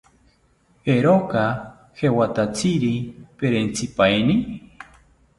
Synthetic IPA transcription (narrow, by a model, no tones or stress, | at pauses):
eɾoka | hewat̪at͡siɾipeɾent͡sipaeni